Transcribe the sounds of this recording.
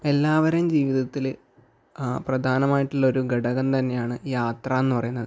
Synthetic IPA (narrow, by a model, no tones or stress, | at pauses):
e̞lːaːʋɐɾɐmd͡ʑiːʋiðɐt̪ːil | prɐd̪ʱaːnɐmaːjiʈːuɭːɐo̞ɾuɡɐɽɐɣɐnt̪ɐnːe̞jaːɳɨjaːt̪rɐːenːɨpɐrɐjunːɐðɨ